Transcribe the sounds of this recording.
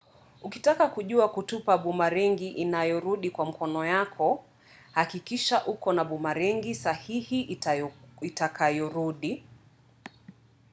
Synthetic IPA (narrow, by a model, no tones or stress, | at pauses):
ukitakakuʄuakutupaɓumaɾɛŋɡiʔinajɔɾuɗikwam̩kɔnɔjakʰɔ | hakikiʃaʔukɔnaɓumaɾɛŋɡisahihi | itakʰajɔɾuɗi